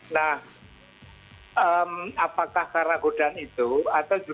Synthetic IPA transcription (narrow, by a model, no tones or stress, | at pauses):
nah | ʔəmapakahkaɾaɡoɖ̥anit̪uat̪awd͡ʒu